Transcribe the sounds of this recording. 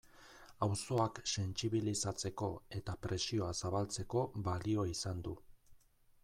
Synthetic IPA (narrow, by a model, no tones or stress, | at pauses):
awso̞akse̞nt͡siβ̞ilisat͡se̞ko̞e̞t̪apɾe̞sio̞asaβalt͡se̞ko̞βalio̞isand̪u